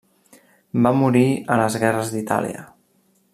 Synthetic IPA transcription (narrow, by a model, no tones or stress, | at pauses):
bamuɾiələzɣɛrəzd̪it̪a̰lḭə̰